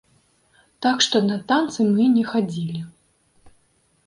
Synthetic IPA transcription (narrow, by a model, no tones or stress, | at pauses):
t̪akʂt̪ɔnɐt̪ant̪sɨmɨnʲɛxad͡zʲilʲi